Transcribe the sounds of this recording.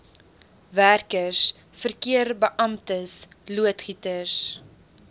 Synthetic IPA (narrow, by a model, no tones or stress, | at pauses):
værkəs | fərkiərbəʔɐmtəs | luətχitəs